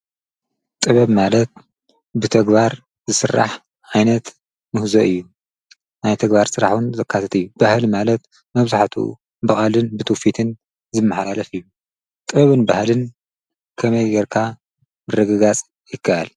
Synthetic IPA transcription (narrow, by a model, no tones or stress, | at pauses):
t̪ʼɨβɐβmalɐt̪̚ | bɨt̪ʰɐɡbaɾ | zɨsɨrːa̰ħ | ʕajnɐt̪ | mɨhzoʔɨjːu | najt̪ʰɐɡbaɾsɨɾaħwunzɐkʰːat̪ʰɐt̪ɨjːubahlimalɐt̪ | mɐβzaħt̪ʰṵ | bɨχʼalɨnbɨt̪ʰufit̪ʰɨn | zɨmːɐħlalɐfɨjːu | t̪ʼɨβɐβɨnbahlɨn | kʰɐmɐjɡɛɾkʰa | mɨrːɐɡɐɡat͡sʼ | jɪkʰːaʔal